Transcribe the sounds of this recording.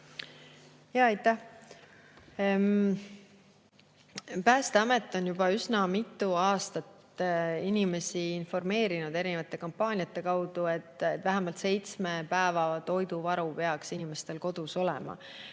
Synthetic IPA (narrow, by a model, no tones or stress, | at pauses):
jɑɑjt̪ːˑæh | pæːst̪eɑme̞t̪ːˑo̞njub̥ɑysnɑmit̪ːˑuɑːst̪ɑt̪ | inime̞siinfo̞rme̞ːɾinud̪e̞ɾinevɑt̪ˑːe̞kɑmpːɑːnʲiɑt̪ːˑe̞kɑwd̪̥ue̞t̪ːet̪væɦæmɑlt̪se̞jt̪smepæevɑt̪o̞jd̪uvɑɾupe̞ɑksinime̞st̪e̞lko̞d̪̥uso̞lɛ̰mɑ̰